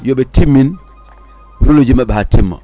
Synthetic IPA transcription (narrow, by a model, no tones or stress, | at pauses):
jobetimːin | ɾulod͡ʒimaɓehatimːa̰